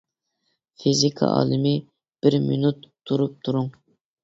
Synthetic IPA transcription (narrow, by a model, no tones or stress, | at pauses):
fizikʰɑ̰ʔɑ̰ːlˠɨmɪ | b̥ɪɾminut̪ʰːuɾup̚t̪ʰuɾuŋ